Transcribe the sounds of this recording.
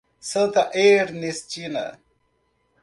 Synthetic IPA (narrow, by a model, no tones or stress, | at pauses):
sət̪aʔeɾnist͡ɕinɐ̰